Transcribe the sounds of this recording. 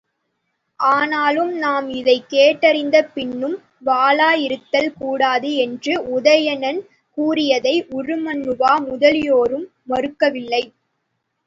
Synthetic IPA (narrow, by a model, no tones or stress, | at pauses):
ʔaːnaːlɯmnaːmɪðɐɪkːeːʈːɐɾɪnd̪ɐpɪɳːɯm | ʋaːlaːjɪɾɯt̪ːɐlkuːɽaːðɯɛndrɯʊðɐjɐnɐn | kuːrɪjɐðɐɪʔʊrɯmɐnːɯʋaːmʊðɐlɪjoːɾɯmːɐɾɯkːɐʋɪlːɐɪ